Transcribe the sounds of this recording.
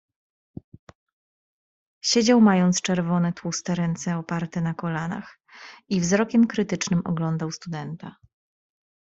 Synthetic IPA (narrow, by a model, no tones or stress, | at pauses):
ɕed͡ʑawmajɔnt̪st͡ʂɛɾvɔnɛt̪wust̪ɛɾɛnt̪sɛɔpaɾt̪ɛnakɔlana̰x | ivzɾɔkʲɛmkɾɘt̪ɘt͡ʂnɘmɔ̰ɡlɔnd̪awst̪ud̪ɛnt̪a̰